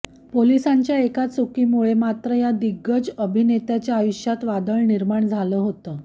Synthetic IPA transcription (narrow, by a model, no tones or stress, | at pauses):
polisaɲt͡ɕjaekat̪sukiːmuɭemat̪ɾəjad̪iɡːət͡səbʱinet̪jat͡ɕjaːjuɕjat̪ʋad̪əɭniɾmaɳd͡zʱaləɦot̪əː